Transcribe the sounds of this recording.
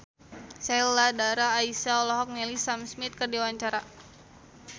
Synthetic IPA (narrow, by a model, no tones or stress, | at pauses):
sɛlːadaɾaːisaɔlɔɦɔk̚nɛlisamsmit̪̚kərdiwaɲt͡ʃaɾa